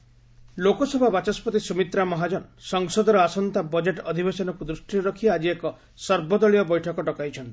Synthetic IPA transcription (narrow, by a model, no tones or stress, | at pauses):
lokɔsɔbʱabat͡ʃaspɔt̪isumit̪ɾamɔɦad͡ʒɔnsɔŋsɔd̪ɔɾɔasɔnt̪abɔd͡ʒeʈɔd̪ʱibesɔnɔkud̪ɾusʈiɾɔkʰiad͡ʒiekɔ | sɔɾbɔd̪ɔɭijɔbɔjʈʰɔkɔʈɔkajt͡ʃʰɔnt̪i̥